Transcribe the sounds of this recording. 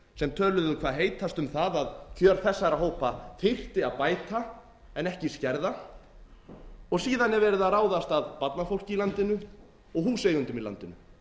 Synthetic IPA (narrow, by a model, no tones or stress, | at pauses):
sɛmt̪ʰœːlʏðʏkʰvaːðɦeːjt̪ast̪ʏmθaðaðcʰœːɾ̥θɛsːaɾaɦoːwpaθɪr̥t̪ɪaðpaːjt̪a | ɛnɛhcɪscɛɾða | ɔɣsiːðanɛɾvɛːɾɪðaðraːwðast̪aðpat̪nafowl̥cɪilant̪ɪnʏ | ɔɣɦuseːjɣʏnt̪ʏmila̰nt̪ɪnʏ